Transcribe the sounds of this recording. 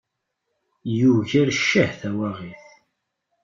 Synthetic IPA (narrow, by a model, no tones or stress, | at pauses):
juʝəɾʃːəhθæwæʁiθ